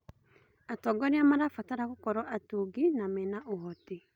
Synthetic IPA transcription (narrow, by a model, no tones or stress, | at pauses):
atɔɡɔɾeamaɾafataɾaɣokɔɾɔʔatuːɡinamɛnaʔoɦɔte